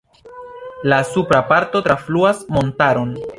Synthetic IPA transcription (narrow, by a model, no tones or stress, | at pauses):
lasupɾapaɾto̞tɾafluasmo̞ntaɾo̞n